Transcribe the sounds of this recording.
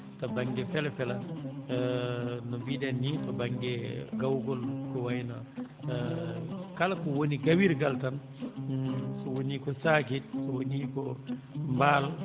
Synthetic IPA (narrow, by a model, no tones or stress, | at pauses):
tabaŋɡɛfɛlafɛla | nɔbidɛnːitɐbaŋɡɛɡawɡɔlkɔwajna | kalakɔwoniɡawiɾɡaltan | sɔwonikɔsakit̚sowonikɔmbaːl